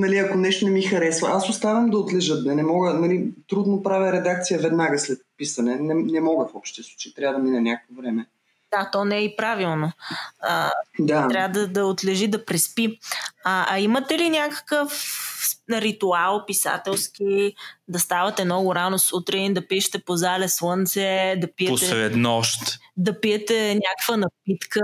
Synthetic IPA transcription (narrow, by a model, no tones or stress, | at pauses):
nɐliɐkonɛʃt̪onɛmixɐɾɛsvɐʔasʊst̪avəmd̪ɐot̪lɛʒət̪̚d̪ɐnɛmɔɡənɐlit̪ɾud̪nopɾavjəɾɛd̪akt̪sijəvɛd̪naɡəslɛt̪̚pisɐnɛnɛnɛmɔɡəfɔpʃt̪ɛst̪vo̥t͡ʃɛt̪ɾʲavəd̪ɐminɛnʲakəkovɾɛmɛ | d̪̥at̪ɔnɛipɾavilˠnoəd̪at̪ɾavəd̪ɐd̪ɐot̪lɛʒid̪ɐpɾɛspiɐʔɐimət̪ɛlinʲakə̥kəf | ɾit̪ualˠpisa̰t̪ɛlˠsk̟id̪ɐst̪avɐt̪ɛnɔɡʊɾanosut̪ɾɛnd̪ɐpiʃɛ̥t̪ɛpozalɛslˠɤnt̪sɛd̪ɐpiɛosɛɾɛd̪nɔʃt̪d̪ɐpijɛt̪ɛnʲakəkvənɐpit̪kə